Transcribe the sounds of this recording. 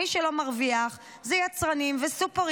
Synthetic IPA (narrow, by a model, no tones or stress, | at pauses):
iʃelo̞maʁviaχ | zejat͡sʁanimvesupeʁ